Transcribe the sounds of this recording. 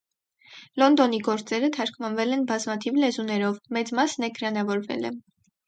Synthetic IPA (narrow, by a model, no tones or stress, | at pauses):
lɔnd̪ɔn̪iɡɔɾt͡sɛɾət̪ʰɑɾkʰvɑnvɛlɛnbɑzmɑt̪ʰivlɛzunɛɾɔvmɛt͡smɑsnɛɡɾɑnɑvɔɾvɛ̰lɛ̰